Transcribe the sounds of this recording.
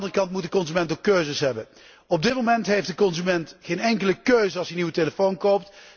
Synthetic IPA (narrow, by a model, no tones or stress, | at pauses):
dərəkɑntmut̚dəkɔnzymɛntokːøɥzəsɦɛbən | ɔb̚dɪt̚momɛntɦejftdəkɔnzymɛntχejnɛŋkələkøɥzəɑlˠsəniwəteləfownkowp̚t